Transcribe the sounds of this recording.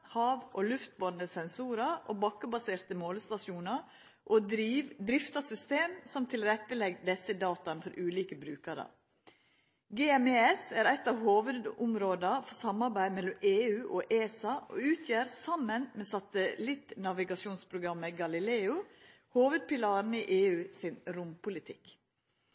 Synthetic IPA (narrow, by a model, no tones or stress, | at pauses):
hɑːʋʔoːlʉft̪̚bɔnd̪əsɛnsuːɾɑʔo̰ːbɑkːəbɑseːɾt̪əmoːlst̪ɑʃjuːnɑɾ | ʔoːd̪ɾiːʋd̪ɾɪft̪ɑsʏst̪eːmsɔmt̪ʰɪlɾɛt̪ːəlɛɡd̪ɛsəd̪ɑːt̪ɑnfɔɾʔʉːliːkəbɾʉːkɑɾə̰ | ɡeːɛmeɛsæːɾæt̪ːɑːʋhoːʋəd̪ʊmɾoːd̪ɑfɔsɑmɑɾbæɪmɛlːɔmeːʉːʔoːʔeːsɑʔo̰ʉːt̪ʰjæːɾsɑmːənmeːsɑt̪əlɪt̪nɑʋɪɡɑʃuːnspʰɾʊɡɾɑmːəɡɑlɪleːʊ | hoːʋəd̪̚pɪlɑːɾn̩iːʔeːʉːsɪnɾʊmpʊlɪt̪ʰɪ̰k